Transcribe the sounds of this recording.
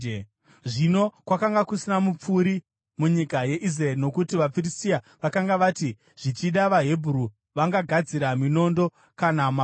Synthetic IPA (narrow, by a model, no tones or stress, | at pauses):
ʐino̞kwakaŋɡakusinamup͡fuɾi | muɲikaje̞ʔis̬raerino̞kutiʋap͡firisia | ʋakaŋɡaʋati | ʐ̥it͡ʃiɗaʋaɦebʱuru | ʋaŋɡaɡʱad͡ziɾamino̞ndo̞ | kanama